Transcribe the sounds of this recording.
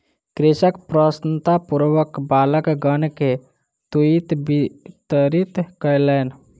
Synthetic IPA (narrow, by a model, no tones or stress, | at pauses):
kɾɪsəkpɾəsnt̪apuɾʋəkbaːləkɡənke | t̪uit̪bit̪əɾit̪kəjlɛːn